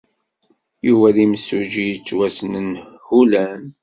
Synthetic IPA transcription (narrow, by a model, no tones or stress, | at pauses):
juvæðimsuʒijt͡sːwæsənənhulæn